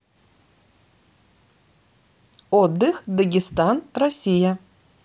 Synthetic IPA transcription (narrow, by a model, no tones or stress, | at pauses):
od̪ːɨxd̪ɐɡʲɪst̪anrɐsʲijɐ